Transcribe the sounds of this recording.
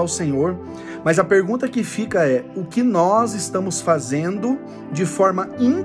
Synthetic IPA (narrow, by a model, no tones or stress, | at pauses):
awsẽɲoɾ | mɐzɐpeɾɡũnt̪ɐkɪfikɐɛʊkɪnɔzɪst̪ɐ̃mʊsfazẽnd̪ʊ | d͡ʒɪfɔɾmɐĩ